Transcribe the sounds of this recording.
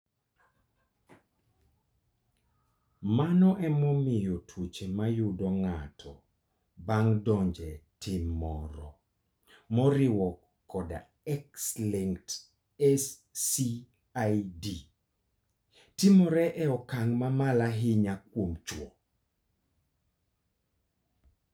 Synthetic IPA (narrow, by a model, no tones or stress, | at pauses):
manɔʔɛmɔmɪjotʰwut͡ʃemajʊdɔŋatʰɔ | baŋdɔɲd͡ʒɛtɪmːɔɾɔ | mɔɾɪwɔkː | ɔda̰ | ɛksliŋt | ɛsː | i | ajdi | tɪmɔɾɛʔɛɔkaŋmamalaɦɪɲak̚womt͡ʃwɔ